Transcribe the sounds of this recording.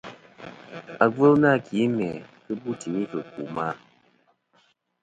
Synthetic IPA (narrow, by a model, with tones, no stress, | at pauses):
a˨ɡ͡bə˦na˦˨ki˨˦mɛ˨kɨ˦bu˦ti˨mi˦kə˨ku˨ma˦